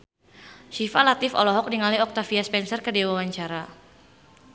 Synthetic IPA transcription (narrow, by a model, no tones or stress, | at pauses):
ʃifalat̪ɪfɔ̰lɔɦɔk̚niŋaliɔk̚t̪afiaspɛnsərkədiwawaɲt͡ʃaɾa